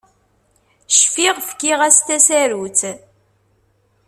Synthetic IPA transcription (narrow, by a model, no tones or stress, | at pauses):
ʃfiʁfkːiʁæst̪æsæɾut͡s